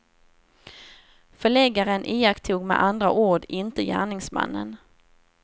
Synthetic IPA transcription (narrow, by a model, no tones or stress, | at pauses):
fœɭɛɡaɾənʔɪːakt̪ʰːuːɡmɛ̰ʔand̪ɾaʔuːɖɪnt̪əjæ̰ːɳɪŋsma̰nːə̰n